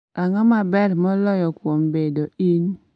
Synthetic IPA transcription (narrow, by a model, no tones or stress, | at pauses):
aŋɔmabɛɾmɔlɔjɔkwombedoin